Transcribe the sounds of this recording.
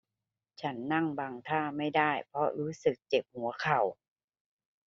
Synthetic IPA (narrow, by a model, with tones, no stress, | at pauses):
t͡ɕʰa˦˥nːa˥˩ŋba˧ŋt̪ʰaː˥˩ma˥˩jda˥˩jpʰɾɔ˧˥ɾuː˦˥sɯ˨˩k̚t͡ɕe˨˩p̚hu˩˦ɐkʰa˨˩w